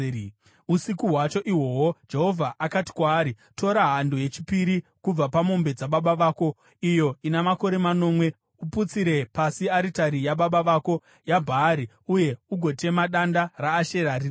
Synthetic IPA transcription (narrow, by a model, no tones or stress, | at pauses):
usikuɦwat͡ʃo̞ʔiwo̞wod͡ʒe̞ɦo̞vʱaʔakati̥kwaːɾi | to̞ɾaɦandoje̞t͡ʃi̥piɾikub͡vapamo̞mbe̞d͡zaɓaɓaʋaːko̞ | ijo̞inamako̞ɾe̞mano̞mwe̞ | uput͡siɾe̞pasiaɾitaɾijaɓaɓaʋako̞ | jabʱaːɾi | uje̞uɡʱo̞te̞maɗandaraːʃe̞ɾari